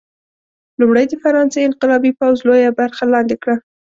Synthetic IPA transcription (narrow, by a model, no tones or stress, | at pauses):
lʊmɽəjd̪əfaɾɑnsejɪnqɪlɑbipawzlojabaɾxalɑnd̪ɪkɽa